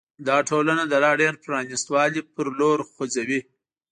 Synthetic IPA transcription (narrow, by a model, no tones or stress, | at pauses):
d̪ɑʈʰolanad̪əlɑɖeɾpɾɑnist̪wɑlipəɾloɾxod͡zawi